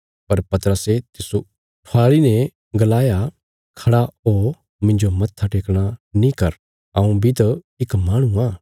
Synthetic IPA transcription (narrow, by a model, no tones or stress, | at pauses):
pɐɾpɐt̪ɾəset̪ɪsu | ʈʰaːɭinɛ̃ | ɡɐlaːja | kʰɐɽaoː | mɪ̃ɲd͡ʒomɐt̪ʰːaʈeːkɽ̃anĩkɐɾ | ɐũbʱit̪ɐ | ɪkmaːɽ̃ũãː